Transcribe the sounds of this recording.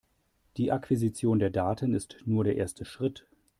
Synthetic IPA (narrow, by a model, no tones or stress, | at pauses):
d̥iːʔakv̥izit͡sjoːndeːɐdaːtʰənɪstnuːɐɾeːɐʔeːɐstʰəʃʁ̥ɪt